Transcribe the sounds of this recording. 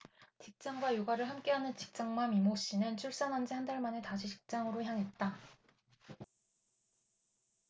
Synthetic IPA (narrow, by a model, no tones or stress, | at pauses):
t͡ɕik̚t͡ɕ͈aŋɡwajuɡaɾɯɭɦamk͈e̞ɦanɯnt͡ɕi̥k̚t͡ɕ͈aŋmamimoɕ͈inɯnt͡ɕʰuɭs͈anand͡ʑehandaɭmanetaɕʰiɕʰi̥k̚t͡ɕ͈aŋɯɾoçjaŋɦe̞t̚t͈a